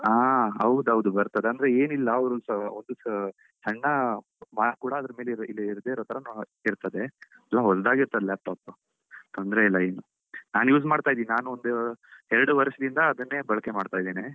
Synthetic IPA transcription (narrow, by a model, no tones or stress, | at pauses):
aːɦɐwd̪ɐʋd̪ubɐɾt̪ɐd̪e̞ɐnd̪ɾeeːnilːɐɐʋɾusond̪u | t͡ʃɐɳːɐ | maːkuːɽɐːd̪ɾɐme̞ːleɾilːiiɾd̪eiɾot̪ɐɾɐn | iɾt̪ɐd̪e̞ | ɐlːɐɦɔsd̪aːɡiɾt̪ɐd̪elaːp̚ʈaːpu | t̪ɐnd̪ɐɾeilːɐeːnu | naːnjuːsmaːɖt̪aːjid̪iːninaːnuond̪uɛɾɐɽuʋɐɾʂɐd̪ind̪ɐːd̪ɐnːeːbɐɭɐkemaːɖt̪aːjd̪eːne